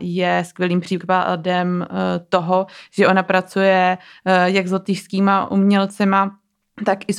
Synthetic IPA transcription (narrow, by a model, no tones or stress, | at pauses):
jɛskʋjɛliːmpr̥iːadɛmt̪o̞ɦoʒ̥ɛʔo̞napɾat͡sujɛjɛɡzo̞t̪ɪʃskiːmaʔumɲɛlt͡sɛma | t̪akʔɪs